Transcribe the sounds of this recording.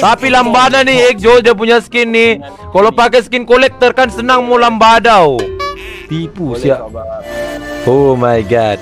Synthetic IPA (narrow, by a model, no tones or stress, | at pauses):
t̪apilambadanɪhɛk̚d͡ʒodiap̬uɲasə̥kɪnːɪh | kalopak̬ɛsə̥kɪnkolɛk̚t̪ərkansənaŋmolambadaw | t̪ipusiaʔ | omajɡad̚